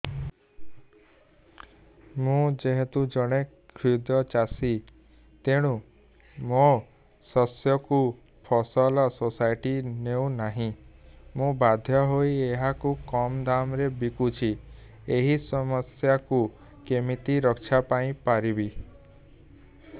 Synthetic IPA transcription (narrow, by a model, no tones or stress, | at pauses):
mũd͡ʒeɦet̪ud͡ʒɔɽ̃e | kʰɾid̪ɔt͡ʃasi | t̪eɽ̃u | mo | sɔsjɔku | pʰɔsɔlɔsosajʈineũnaɦĩmũbad̪ʱjɔɦoieɦakukɔmd̪amɾebikut͡ʃʰi | eɦisɔmɔsjaku | kemit̪iɾɔkt͡ʃʰapaĩpaɾibi